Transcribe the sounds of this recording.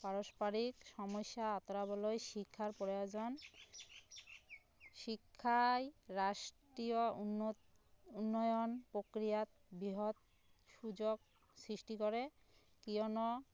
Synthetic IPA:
paɾoʃpaɾikʃɔmoʃːaat̪oɾabɔlojʃikʰːaɾpɾojod͡ʑon | ʃikʰːajɾaʃʈɾio | unːɔjonpɾokɾijat̪ | biɦod̪ | ʃud͡ʑoɡ̚ | sɾiʃʈikoɾe | kiono

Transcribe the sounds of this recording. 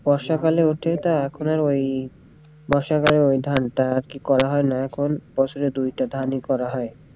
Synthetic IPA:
b̥ɔɾʃakaleoʈʰet̪aɛkʰonaɾoj | bɔɾʃakaleɾojd̪ʱanʈaɾkikɔɾaɦɔenaɛkʰonb̥ɔt͡ɕʰoɾed̪ujʈad̪ʱanikɔɾaɦɔe

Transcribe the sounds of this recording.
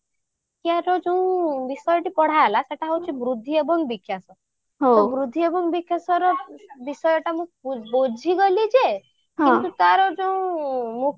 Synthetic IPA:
kjaɾɔd͡ʒew̃bisɔjɔʈipɔɽ̤alaseʈaɦowt͡ʃʰibɾud̪ʱːiɔbɔŋɡbikʰːjasɔ | ɦoɔbɾud̪ʱːijɔbɔŋɡbikʰːjasɔɾɔbisɔjɔʈamũbod͡ʒʱiɡɔlid͡ʒe | ɦkĩnt̪ut̪aɾɔd͡ʒoũmũ

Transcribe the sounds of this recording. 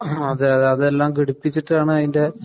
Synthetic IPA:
ɐðɨɐɐðɨelːaːmkiɽupːit͡ɕːiʈːɨaːɳɨaðinde̞

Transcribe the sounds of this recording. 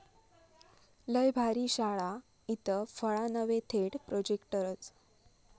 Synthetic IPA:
ləjbʱaɾiːɕaɭa | it̪əfəɭanəʋet̪ʰeɽpɾod͡ʑekʈəɾət͡s

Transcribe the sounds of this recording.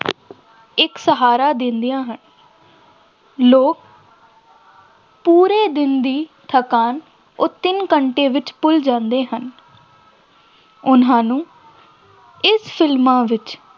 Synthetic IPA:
ɪksəɦaːɾaːd̪ɪ̃nd̪ijãːɦən | loːk | puːɾeːd̪ɪnd̪iːt̪ʰəkaːn | ʊt̪ːɪnkəɳʈeːʋɪt͡ʃpʊld͡ʒãːnd̪eːɦən | ʊnɦãːnũː | ɪspʰɪlmãːʋɪt͡ʃ

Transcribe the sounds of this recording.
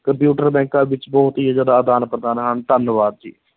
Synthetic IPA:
kəmpjuːʈəɾbɛ̃ːŋkãːbɪt͡ʃbɔːʊt̪iːəd͡ʒəd̪aːd̪aːnpɾəd̪aːnɦənt̪ənːʋaːd̪̚d͡ʒḭː

